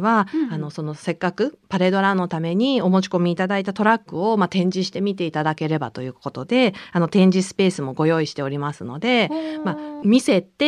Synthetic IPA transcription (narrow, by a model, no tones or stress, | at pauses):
βaano̞so̞no̞se̞kːakɯ̟paɾe̞d̪o̞ɾãnːo̞t̪ame̞ɲ̟io̞mo̞t͡ɕi̥ko̞mʲiːt̪ad̪ait̪at̪o̞ɾakːɯ̟o̞mat̪ẽ̞ɲ̟d͡ʑiɕi̥t̪e̞mʲit̪e̞it̪ad̪ake̞ɾe̞ba̰t̪o̞jɯ̟ːko̞t̪o̞d̪e̞ano̞t̪ẽ̞ɲ̟d͡ʑisɨ̥pe̞ːsɨmo̞ɡo̞jo̞ːiɕi̥t̪e̞o̞ɾʲimasɨno̞d̪e̞mamʲise̞t̪e